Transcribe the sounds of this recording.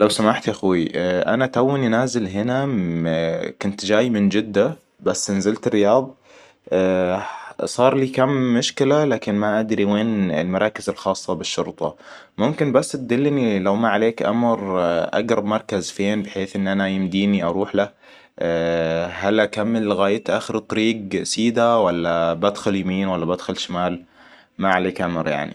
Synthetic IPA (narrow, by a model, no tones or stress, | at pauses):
lawsamaːħt̪ʔaxuiʔa̰nat̪awːɪnʔanaːzɪlɦɪna | kʊnt̪d͡ʒaːjmɪnd͡ʒɪd̪ːa | basːɪnzɪlt̪ɪrːɪjɑːðˤɑ | sˤɑːɾˤliːkamːʊʃkɪlalaːkɪnmaʔad̪ɾiweːnɪ̰lmɑɾˤɑːkɪzɪlxɑːsˤːɑbɪʃːʊ̰ɾt̪ˤɑ | mʊmkɪnbasːt̪̚d̪ɪlːnilawmaʕaleːkʔa̰mɾʔa̰ɡɾˤɑbmɑɾˤkazfeːnbɪħeːθʔɪnːʔanajɪmd̪iːniʔɑɾˤuːħla | ɦalʔakamːɪlɣaːjat̪ʔaːxɪɾt̪ˤɑɾiːɡsiːd̪awalːabad̪xʊljamiːnwalːabad̪xʊlʃamaːl | maʕaleːkʔamɾja̰ʕnḭ